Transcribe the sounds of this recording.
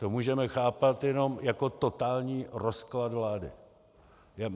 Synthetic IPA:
t̪omuːʒɛmɛxaːpat̪jɛno̞mjako̞t̪o̞t̪aːlɲiːɾosklad̪vlaːdɪ̰ | ja

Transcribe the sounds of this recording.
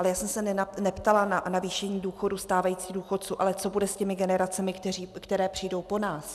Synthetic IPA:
ʔalɛjaːsɛmsɛnɛpt̪alananaviːʃɛɲiːduːxo̞dust̪aːvajiːt͡siːɣduːxot̪̚t͡suːʔalɛt͡so̞budɛscɛmɪɡɛnɛɾat͡sɛmɪkt̪ɛriːkt̪ɛɾɛːpr̝̥ijdo̞wpo̞naːs

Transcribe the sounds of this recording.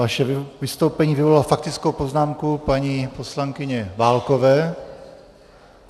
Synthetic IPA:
aʃɛvɪst̪owpɛɲiːvɪvolalafakt̪ɪt͡skowpo̞znaːmkupaɲipo̞slaŋkɪɲɛvaːlko̞vɛː

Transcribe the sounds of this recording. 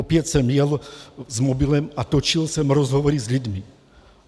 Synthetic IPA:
ɔpɪɛcsɔmjɛlzmɔbilɛmat̪ɔt͡ʃilsɔmɾɔzɦɔʋɔɾizʎud̪mi

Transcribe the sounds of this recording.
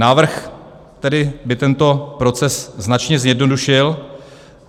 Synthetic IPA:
naːvr̩x | t̪ɛdɪbɪt̪ɛnt̪o̞pɾo̞t͡sɛsznat͡ʃɲɛzjɛdno̞duʃɪl

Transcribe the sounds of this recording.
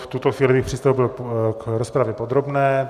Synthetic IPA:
ft̪ut̪oxviːlɪjixpr̥ist̪owbɪlkɾospɾavjɛpod̪ɾobnɛː

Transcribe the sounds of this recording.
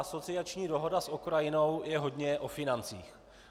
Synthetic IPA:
aso̞t͡sɪat͡ʃɲiːdo̞ɦo̞dasʔokɾajɪno̞wjɛɦo̞dɲɛʔo̞fɪnant͡sḭːx

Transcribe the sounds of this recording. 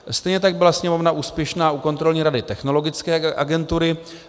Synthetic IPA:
st̪ɛjɲɛt̪̬aɡ̚bɪlasɲɛmo̞vnaʔuːspjɛʃnaːuko̞nt̪ɾo̞lɲiːɾadɪt̪ɛxno̞lo̞ɡɪt͡skɛːʔa̰ɡɛnt̪uɾɪ

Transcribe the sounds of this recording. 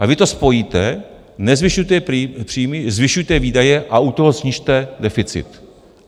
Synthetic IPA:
ʔavɪt̪o̞spo̞jiːt̪ɛ | nɛzvɪʃujt̪ɛpr̥ijmɪzvɪʃujt̪ɛviːdajɛʔaut̪oɦosɲiʃt̪ɛdɛfɪt͡sɪ̰t̪

